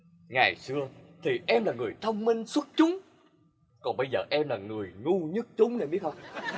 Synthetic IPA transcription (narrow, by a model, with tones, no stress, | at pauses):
ŋa˨˩jsɨ˧ət̪ʰi˨˩ʔɛ˧mlaː˨˩ŋɨ˨˩əjt̪ʰə˧wŋ͡mmï˧ŋ̟swə˦˥t̚t͡ɕʊ˨˦ŋ͡m | kɔ˨˩nɓə˧jzəː˨˩ʔɛ˧mlaː˨˩ŋɨ˨˩əjŋu˧ɲɨ˦˥t̚t͡ɕʊ˨˦ŋ͡mne˨˩ɓi˦˥t̚hə˧ŋ͡m